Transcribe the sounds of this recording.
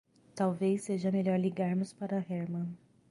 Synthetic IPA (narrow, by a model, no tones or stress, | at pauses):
t̪awvejseʒɐmeʎɔɾliɡaɾmʊspaɾɐɦɛɾmɐ̃